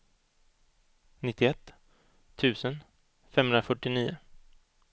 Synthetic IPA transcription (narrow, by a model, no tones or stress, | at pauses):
nɪt̪ːɪɛt̪ːʰ | ʉ̟ːsən | fɛmhɵnɾafœʈːɪniːʊ